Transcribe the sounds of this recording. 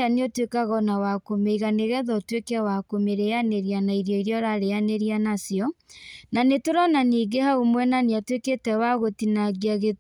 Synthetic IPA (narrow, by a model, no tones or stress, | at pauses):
aneɔtwekaɣɔnawakomeiɣaneɣɛðɔtwekɛwakomeɾeaneɾianaiɾjɔiɾeɔɾaɾeaneɾianasjɔnanetoɾɔnaniːɡehaumwɛnaneatweketɛwaɣotinaɡiaɣe